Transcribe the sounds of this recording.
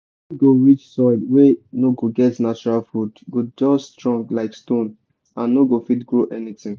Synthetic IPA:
ɡoɹit͡ʃsɔɪdwenoɡoɡɛtnat͡ʃuɹalfɹudɡod͡ʒɔːtɹɔ̃ŋklaɪkstõn | ãnːoɡofitɡɹoʔɛnitɪ̃ŋ

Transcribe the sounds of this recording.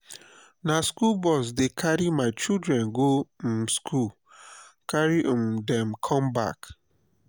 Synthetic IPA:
naskulbɔs̬dekʰaɾimaɪt͡ʃildɾɛnɡom̩skul | kaɾimdɛm̩kʰɔmba̰k

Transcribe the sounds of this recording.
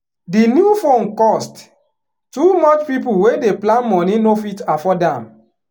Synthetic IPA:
dinjufõnkɔst | tumɔt͡ʃpipulwedeplãnmɔnĩnofitafɔdãm

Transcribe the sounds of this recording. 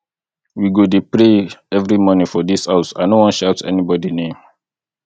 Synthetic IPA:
wiɡodepɹeɛvɹimɔnĩfɔdishaʊsa̰nowɔ̃nʃaʊtɛ̰nibɔdinẽm

